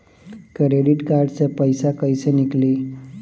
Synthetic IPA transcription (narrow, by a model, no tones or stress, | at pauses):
kɾeɖiʈkaɾɖsə̃pəjsakəjsənikli